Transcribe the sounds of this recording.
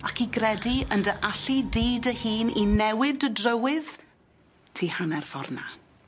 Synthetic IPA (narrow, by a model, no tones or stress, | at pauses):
akʰiɡrɛdiəndəʔaɬidiːdəhiːninɛwɪdədrəwɪð̥ | tʰiːhanɛrv̥ɔ̰rna̰